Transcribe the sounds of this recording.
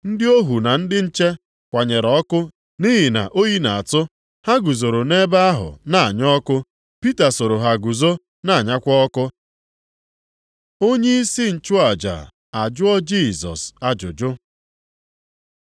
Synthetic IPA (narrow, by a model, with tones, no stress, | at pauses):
n̩˦dɪ˦o˦ɦu˨na˨n̩˦dɪ˦n̩˦t͡ʃe˦ | kʷa˨ɲe˨ɾɔ˨˦kʊ˦ | ni˦ɦi˨na̰˨ʔo˦ji˦na˨a˨tʊ˦ | ha˦ɡu˨zo˨ɾo˨ne˦ba˦a˦ɦʊ̰˨na˦a˨ɲɔ˦kʊ˦ | pi˦ta˨so˨ɾo˨ɦa˨ɡu˨zo˦ | na˦˨a˨ɲa˦kʷɔ˦kʊ˦ | o˦ɲe˦i˦si˦n̩˨t͡ʃʊ˦a˨d͡ʒa̰˨ | a˨d͡ʒʊ˦ɔ˦d͡ʒi˦˨zɔ̰˨sa˨d͡ʒʊ˨d͡ʒʊ˦